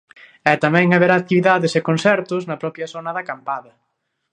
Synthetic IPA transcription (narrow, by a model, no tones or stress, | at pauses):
ɛt̪amɛ̃ŋaβeɾaːk̚t̪iβiðaðɪsekonsɛɾt̪ʊznɐpɾɔpjɐsonɐðɐkampaðɐ